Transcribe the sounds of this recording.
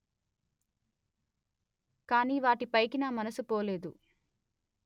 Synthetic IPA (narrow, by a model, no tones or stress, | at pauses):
kaːniːʋaːʈipɐjkinaːmɐnɐsupoːleːd̪ṵ